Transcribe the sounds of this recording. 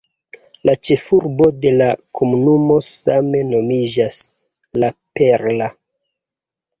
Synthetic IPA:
lʔat͡ʃe̞fuɾbo̞de̞lakʰo̞munumo̞same̞no̞mid͡ʒas | lapeɾla

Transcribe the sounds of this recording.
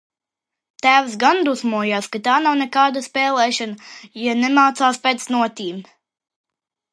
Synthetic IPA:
t̪æːwsɡand̪usmuɔjaːskat̪aːnawnʲɛkaːd̪aspɛːlˠɛːʃanajanɛmaːt̪saːspʲɛːt̪snuɔt̪ʲiːm

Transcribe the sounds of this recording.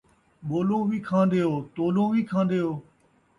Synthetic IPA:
ɓoːlõːʋiːkʰãːnd̪eːoːt̪oːlõːʋiːkʰãːnd̪eːoː

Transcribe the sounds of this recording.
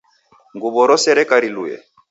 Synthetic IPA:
ŋɡubɔɾɔsɛɾɛkaɾilujɛ̰

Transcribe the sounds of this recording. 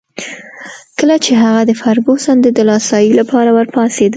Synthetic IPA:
kəlat͡ʃeɦaɣad̪əfaɾɡosɑnd̪ed̪əlɑsɑjilapʰɑɾawəɾpɑsed̪

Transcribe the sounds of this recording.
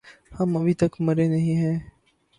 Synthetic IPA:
həməbʱit̪əkməɾeːnəɦĩːɦɛ̃ː

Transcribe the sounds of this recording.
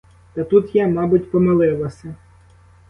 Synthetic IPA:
t̪ɐt̪ut̪jamɑbʊtʲpɔmɪlˠɪlˠɐsʲɐ

